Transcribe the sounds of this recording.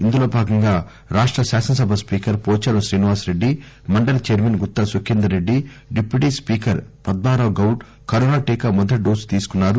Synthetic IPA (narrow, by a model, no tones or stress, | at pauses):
ind̪ulo̞ːbʱaːɡɐŋɡaː | ɾaːʂʈɾɐsaːsɐnɐsɐbʱɐspiːkɐɾpoːt͡ʃɐɾɐʃɾiːniʋaːsɾe̞ɖːi | mɐɳɖɐlɐt͡ʃeːɾmɐnɡut̪ːɐsukʰːind̪ɐɾeɖːiɖipːjuʈiːspiːkɐɾpɐd̪̚baːɾɐʋɡɐwʈ | kɐɾoːnaːʈiːkamɔd̪ɐʈ̚ɖoːst̪iːsu̥kunːaːɾu